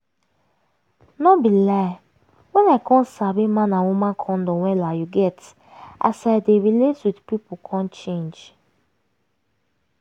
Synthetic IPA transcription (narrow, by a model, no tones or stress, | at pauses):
nɔbila | wɛ̃naɪkʰɔ̃nsabimãnãwumãnkʰɔ̃ndɔwɛlajuɡɛt | a̰sadeɹileswidpipukʰɔ̃nt͡ʃẽnd͡ʒ